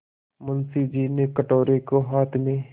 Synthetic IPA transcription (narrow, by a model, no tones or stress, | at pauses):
mʊnsid͡ʒiːnekəʈoːɾekoɦaːt̪ʰmẽ